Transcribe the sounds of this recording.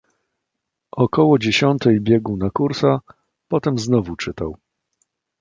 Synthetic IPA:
ʔɔkɔwɔd͡ʑeɕɔnt̪ɛjbʲjɛɡuwnakuɾsa | pɔt̪ɛmznɔvut͡ʂɘt̪aw

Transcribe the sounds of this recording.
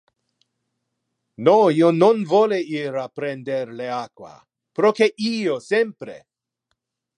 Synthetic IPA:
noiononvoleiɾapɾend̪eɾleakwa̰ | pɾokeʔiosempɾḛ

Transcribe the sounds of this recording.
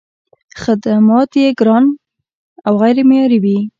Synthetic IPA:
xad̪amɑt̪jeɡɾɑn | awɣajɾemejɑɾiwi

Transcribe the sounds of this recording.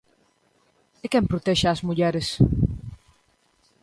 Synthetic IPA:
ɪkɛmpɾot̪ɛʃaːzmuʎɛɾɪs

